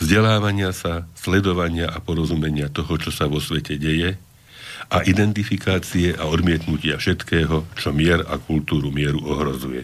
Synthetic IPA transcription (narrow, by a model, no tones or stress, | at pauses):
vzɟɛlaːʋaɲɪasaslɛd̪ɔʋaɲɪaʔapɔɾɔzumɛɲɪat̪ɔɦɔt͡ʃɔsaʋɔsʋɛcɛɟɛjɛ | ʔaʔid̪ɛnt̪ifikaːt͡siɛʔaɔd̪mɪɛt̪nucɪafʃɛt̪kɛːɦɔt͡ʃɔmɪɛɾa̰kult̪uːɾumɪɛɾuɔɦɾɔzujɛ̰